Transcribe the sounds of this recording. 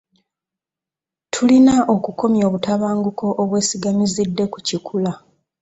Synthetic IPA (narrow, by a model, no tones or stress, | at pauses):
tʰulinaʔo̞kuko̞mjo̞ːβutaβaːŋɡuko̞ʔoβwe̞ːsiɡamizidːe̞ku̥cikʰula